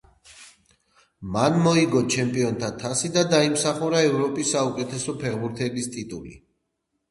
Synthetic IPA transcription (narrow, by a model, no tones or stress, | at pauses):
manmɔiɡɔt͡ʃʰɛmpʼiɔnt̪ʰat̪ʰasid̪ad̪aimsaχuɾaɛvɾɔpʼisːaukʼɛt̪ʰɛsɔpʰɛʁbuɾt̪ʰɛbist̪ʼit̪ʼulḭ